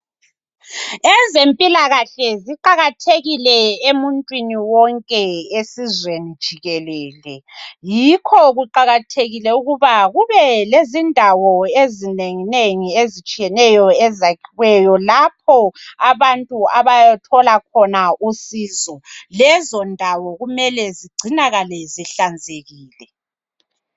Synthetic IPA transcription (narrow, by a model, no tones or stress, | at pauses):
ɛzempʼilaɣaɬɛziǃaɣatʰeɣilɛemuntʼwiniwɔŋkʼɛesizwenid̥ʒ̥ʱiɣɛlɛːlɛjikʰɔɣuǃaɣatʰeɣilɛuɣuβaɣuβɛlezindʱawɔezineŋineŋiezit͡ʃʼijɛnɛjɔɛzakʰiɣwɛjɔlap̚ʰɔaβantʼuaβajatʰɔlakʰɔnausiːzɔlɛzɔndʱawɔɣumɛlɛziɡ͡ǀʱinaɣalɛziɬand͡zʱeɣiːlɛ